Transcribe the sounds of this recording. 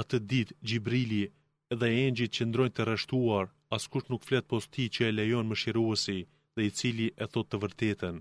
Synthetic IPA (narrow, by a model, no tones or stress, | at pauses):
at̪əd̪it̪d͡ʑibɾili | ɛðɛɛɲd͡ʑit̪̚t͡ɕənd̪ɾɔjnt̪ərɛʃt̪uaɾ | askuʃnukflɛt̪̚pɔst̪it͡ɕəɛlɛjɔnməʃiɾuɛsi | ðɛit͡siliʔɛθɔt̪ːəvəɾt̪ɛt̪ən